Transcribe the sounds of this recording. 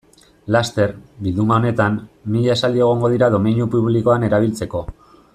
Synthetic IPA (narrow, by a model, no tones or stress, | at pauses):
last̪e̞ɾbilðumao̞ne̞t̪amːiʎaesald̪ie̞ɣ̞o̞ŋɡo̞ð̞iɾað̞o̞minjupuβliko̞ane̞ɾaβ̞ilt͡se̞ko̞